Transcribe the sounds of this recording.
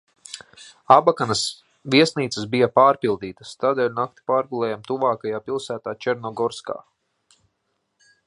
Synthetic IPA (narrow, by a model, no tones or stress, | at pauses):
abakanas | viɛsniːt̪səsbijapaːɾpilˠd̪iːt̪ast̪aːd̪ɛːlʲnak̚t̪i̥paːɾɡulˠɛːjamt̪uvaːkajaːpilˠsæːt̪aːt͡ʃɛɾnɔɡɔɾska̰ː